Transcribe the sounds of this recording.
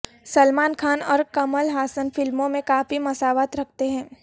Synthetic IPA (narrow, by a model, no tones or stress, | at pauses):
sɐlmaːnkʰaːnɔːɾkɐməlɦaːsənfɪlmõmẽkaːfimɐsaːʋaːt̪ɾɐk̚ʰt̪eɦɛ̃ː